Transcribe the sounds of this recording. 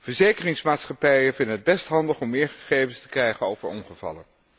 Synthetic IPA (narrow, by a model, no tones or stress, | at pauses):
vəɹzejkərɪŋsmaːtsχɑpɛjəvɪndənəd̚bɛstɦɑndəχɔmːɪːɹχə̥χejvənstə̥krɛjχənowvəɹɔnχəv̥ɑ̰lən